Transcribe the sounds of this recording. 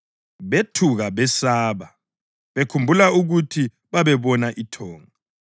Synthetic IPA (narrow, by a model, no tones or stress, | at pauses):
βetʰuɣaβɛsaːβa | βekʰumbʱulauɣutʰi | βaβɛβɔnaʔitʰɔːŋaa